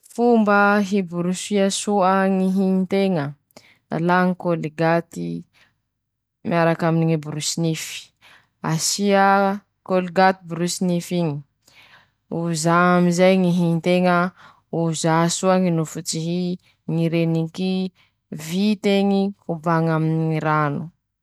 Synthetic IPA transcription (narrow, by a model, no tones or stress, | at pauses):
fumbəɦibuɾusiasuəŋiɦiit̪eŋə̰ | laŋikoliɡat̪i | miaɾakaminiŋibuɾusinifi̥ | asiə | koliɡat̪ibuɾusinifiɲi̥ | uzaamizajŋiɦiɲt̪eŋə | uzasuaŋinufut͡siɦi | ŋiɾeniki | vit̪eŋikubaŋaminiiɾanu̥